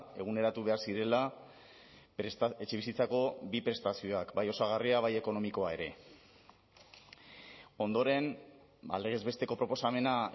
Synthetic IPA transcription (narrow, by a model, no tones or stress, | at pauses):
e̞ɣ̞une̞ɾat̪uβ̞e̞aɾsiɾe̞la | eet͡ʃeβisit͡sako̞bipɾe̞st̪asio̞akbajo̞saɣ̞ariaβaje̞ko̞no̞miko̞ae̞ɾe̞ | o̞nd̪o̞ɾe̞n | a̰leɣezβe̞st̪e̞ko̞pɾo̞po̞same̞na